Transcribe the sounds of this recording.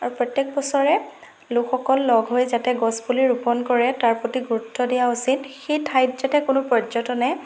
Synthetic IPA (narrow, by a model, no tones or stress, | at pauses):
aɹupɹɔtjek̚bɔsɔɹɛ | lʊkxɔkɔlːɔɡʱɦojzatɛɡɔspuliɹupɔnkɔɹɛtaɹpotiɡuɹutʰːɔdijaosinxejtʰajtzatɛkʊnʊpɔzɔtɔnɛ